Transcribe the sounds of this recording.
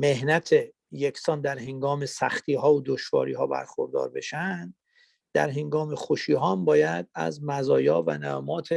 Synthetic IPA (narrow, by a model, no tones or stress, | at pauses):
me̞ɦnæt̪ʰe | jecʰsɒːnd̪æɾɦe̞ŋɡɒːmesæxt̪ʰiːɦɒːod̪oʃvɒ̰ːɾḭːɦɒːbæ̰ɾxoɾd̪ɒ̰ːɾbe̞̰ʃænd̪ | d̪æ̰ɾɦe̞ŋɡɒːmexoʃiːɦɒːmbɒːjæd̪̚æ̰zmæzɒːjɒːvæ̰nææmɒːt̪ʰe